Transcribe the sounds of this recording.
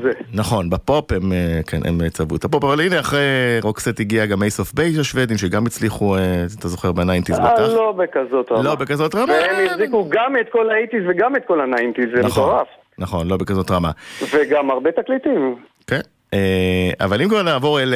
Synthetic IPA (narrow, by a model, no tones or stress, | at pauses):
zenaχo̞nbapo̞pemekʰḛnʔḛmet͡savṵt̪apo̞pavaline̞aχʁeʁokset̪iɡiaɡamejsofbejʃaʃvedimʃeɡamjit͡sliχueat̪azo̞χeʁbenajnt̪izbalobekazo̞t̪ʁaloabekazo̞tʁamaemjifzikuɡamet̪kolait̪izveɡamet̪̚ko̞lanajnt̪izenaχoʁaf | naχo̞nlo̞bekazo̞tʁamaveɡamaʁbet̪aklit̪im | ken | ea̰valimkvaʁnaːvo̞ʁel